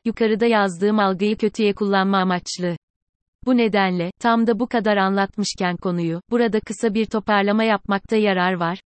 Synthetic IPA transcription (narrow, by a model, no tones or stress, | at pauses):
jukʰaɾɯd̪ajazd̪ɯːmalˠɡɯjɯcʰø̞t̪ʰyjɛkʰulˠːanmamat͡ʃlˠɯ | bune̞d̪ænlʲɛt̪ʰamd̪abukad̪aɾanlˠat̪mɯʃcænkʰo̞nujub̥uɾad̪akʰɯsabiɾt̪ʰo̞paɾlˠamajap̚mak̚t̪ʰajaɾaɾvaɾ̥